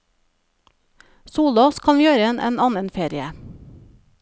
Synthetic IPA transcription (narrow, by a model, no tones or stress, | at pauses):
suːloːskʰɑnjøːɾəeːnʔḛːnɑːnənfeːɾɪə